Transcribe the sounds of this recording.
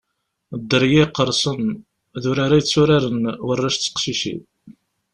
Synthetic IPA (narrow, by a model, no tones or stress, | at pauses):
d̪ːəɾjiqːəɾˤsˤən | ðʊɾaɾajət͡sːʊɾaɾənwərːaʃt͡sːə̥qʃiʃḭ